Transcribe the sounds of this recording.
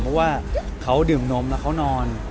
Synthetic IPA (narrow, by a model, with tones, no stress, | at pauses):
pʰɔ˦˥waː˥˩kʰa˦˥wdɯː˨˩mno˦˥mlɛ˦˥wkʰa˦˥wnɔː˧n